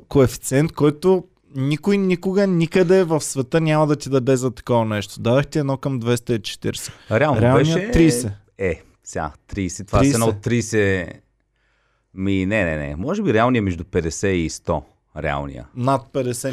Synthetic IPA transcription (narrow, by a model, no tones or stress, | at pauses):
koɛfi̥t̪sʲɛnt̪̚kɔjt̪o | nikʊjnʲikʊɡənʲikəd̪ɛvɐfsvɛt̪ənʲamɐd̪ɐt̪id̪ɐd̪ɛzɐt̪ɐ̥kɔvɐnɛʃt̪o̥d̪ad̪ɛxt̪iɛd̪nɔkɐmd̪vɛst̪əit͡ʃɛ̥t̪iɾsɛ̥ɾɛalˠnɾɛalɛnijəɛt̪ːɾisɛ | ɛ | sʲa̰t̪ɾiːsɛt̪ovaiɛnɔt̪ːɾisɛ | minɛnɛ̰nɛ̰mɔʒɛbiɾɛalˠniəmɛʒd̪upɛd̪ɛsɛist̪ɔ | ɾɛ̰a̰lˠnḭjə̰nɐt̪̚pɛd̪ɛsɛ